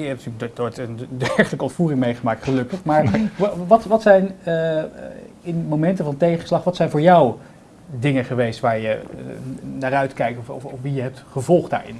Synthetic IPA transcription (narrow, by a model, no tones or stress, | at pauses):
jəɛp̚ntylə̥otəndɛɹχələkəɔntfuːrɪŋmejχəmaːktχəlɵkəχmaːɹʋɑtʋɑtsɛjn | ɪnmomɛntəvɑntejχənslɑχʋɑtsɛjnvʊːɹjɑw | dɪŋəχəʋejstʋaːɹjə | naːrœɥtkɛjk̚tɔfʋijəɦɛp̚tχəvɔlˠχda̰ːɹɪ̰n